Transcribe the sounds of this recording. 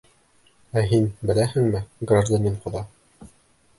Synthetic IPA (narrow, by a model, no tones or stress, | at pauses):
æɦinbɘ̆læhɘŋmɘɡraʒd̪anʲenqŏðɑ